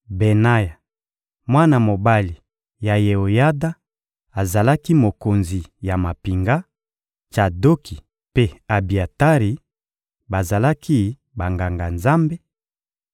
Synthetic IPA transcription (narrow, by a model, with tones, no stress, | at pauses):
be˨na˦ja˨ | mwa˦na˨mo˨ba˦li˨ | ja˨je˨o˨ja˦da˦ | a˨za˨la˦ki˦mo˨ko˨nzi˨ja˨ma˨pi˨ŋɡa˦ | t͡ʃa˨do˦kʰi˨ | pe˦a˨bi˨a˨ta˦ʁi˨ | ba˨za˨la˦kʰi˦ | ba˨ŋɡa˨ŋɡa˨nza˦mbe˦